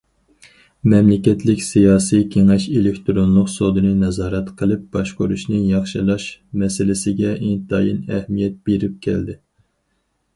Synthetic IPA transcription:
mɛmlɪkʲɛt̪ʰlɪkʲsijɑːsijkʲʰeŋɛʃelɪkʲt̪ɾonlˠʊqsod̪ɨnɨnɛzɑːɾɛt̪qʰəlˠɨp̚bɑʃqoɾuʃnɨjɑχʃɨlˠɑʃmɛsɪlɪsɪɡʲɛʔint̪ʰɑjinɛhmijɛt̪̚b̥eɾɪp̚kʲʰɛ̰ld̪ɪ

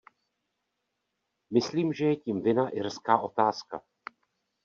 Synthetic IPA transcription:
mɪsliːmʒɛjɛcimvɪnaʔɪrskaːʔo̞t̪aːska̰

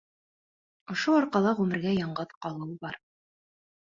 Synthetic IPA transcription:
ŏʃoɒɾqɑlˠɑʁʉmɘ̆ɾɡæjɑɴɢɤðqɑlˠɤwbɑɾ

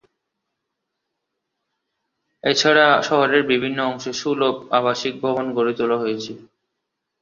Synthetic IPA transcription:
et͡ɕʰaɽaʃɔɦoɾeɾbibʱinːoɔŋʃeʃulopaβaʃik̚bʱɔbonkoɾet̪ulaɦojet͡ɕʰi

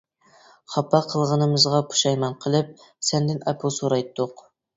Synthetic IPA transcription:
χɑpːɑqʰəlˠʁənɨmɨzʁɑpʰu̥ʃɑjmɑnqʰəlˠɨp̚ | sɛnd̪ɪnɛpʰusoɾɑjt̪ʰːʊq

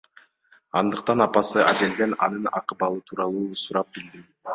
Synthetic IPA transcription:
ɑnd̪ɯq̚t̪ɑnɑpɑsɯʔa̰d̪e̞ld̪e̞nɑ̰nɯnɑ̰qɯbɑlˠɯt̪ʰuːɾɑlˠuːsuɾɑp̚bild̪im

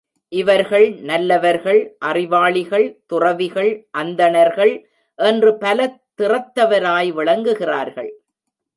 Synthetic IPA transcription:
ʔɪʋɐɾɣɐɭnɐlːɐʋɐɾɣɐɭʔɐrɪʋaːɭɪɣɐɭt̪ʊrɐʋɪɣɐɭʔɐnd̪ɐnɐɾɣɐɭ | ʔɛndrɯpɐlɐt̪ːɪrɐt̪ːɐʋɐɾaːjʋɪɭɐŋɡɯɣɪraːɾɣɐɭ

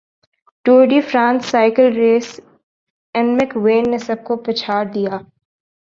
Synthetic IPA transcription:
ʈoːɖifɾãːnsːaːɪkəlɾeːs | ɛnmɪkʋeːnːesɐb̚kopɾɐt͡ʃʰaːɾd̪ijaː

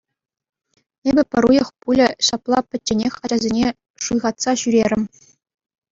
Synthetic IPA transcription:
ebʲɘ̆pʲɘ̆ɾujɤ̆χpulʲɘ̆ɕɑplˠɑpʲɘ̆tʲːenʲexʲɑd͡ʑɑzʲenʲe | ʂujʁɑt̪sɑɕyɾʲeɾʲɘ̆m

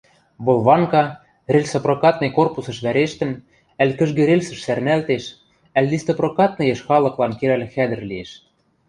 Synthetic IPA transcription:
βolˠβɑŋkɑ | relʲsoprokɑt̪nekorpusɤ̆ʃβæɾeʃt̪ɘ̆n | ælkɘ̆ʒɡĕɾelʲsə̆ʃsærnælt̪eʃ | æld̪ist̪oprokɑt̪̚nɤ̆jeʃxɑlɤ̆klɑnkeɾælxæd̪ɘ̆rlieʃ

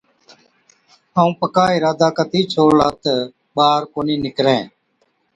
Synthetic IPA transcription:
aːũːpəkaːɪɾaːd̪aːkət̪iːt͡ʃʰoːlaːt̪ | ɓaːɾkoːniːnɪkɾẽː

